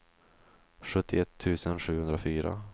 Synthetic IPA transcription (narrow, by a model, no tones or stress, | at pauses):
ɧɵt̪ʰːɪɛt̪ʰːʉ̟ːsənɧʉ̟ːhɵnd̪ɾafyːɾa̰